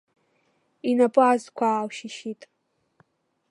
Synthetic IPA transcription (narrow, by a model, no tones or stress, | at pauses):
inapʼɨazkʷʰaːwʃɪʃitʼ